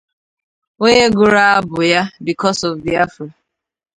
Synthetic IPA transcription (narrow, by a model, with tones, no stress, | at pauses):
o˦ɲe˦ɡʊ˨ɾa˦a˦bʊ˨ja˦bi˨kɔ˦sɔ˨vði˨a˦fɪ˨